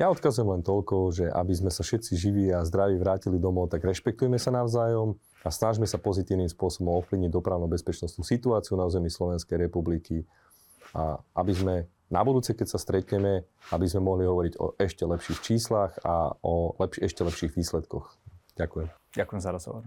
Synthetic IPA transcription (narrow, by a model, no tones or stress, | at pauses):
jaɔt̪kazujɛmlɛnt̪ɔlkɔʒɛʔa̰bizmɛsafʃɛt̪t͡siʒiʋiːazd̪ɾaʋiʋɾaːcilid̪ɔmɔʊt̪aɡɾɛʃpɛk̚t̪ujɛmɛsanaʊzaːjɔm | asnaʒmɛsapɔzit̪iːʊniːmspʊɔsɔbɔmɔfpliʋɲiɟ̚d̪ɔpɾaʊnubɛspɛt͡ʃnɔst̪nuːsit̪uaːt͡siunauːzɛmislɔʋɛnskɛjɾɛpubliki | a̰ʔabizmɛ | na̰bud̪uːt͡sɛkɛcsast̪ɾɛt̪ɲɛmɛ | abizmɛmɔɦliɦɔʋɔɾiɟɔ̰ʔɛʃcɛlɛpʃiːxt͡ʃiːslaxa̰ɔlɛpʃɛʃcɛlɛpʃiːɣʋiːslɛt̪kɔxɟ̥akujɛm | ɟakujɛmzaɾɔzɦɔ̰ʋɔ̰ɾ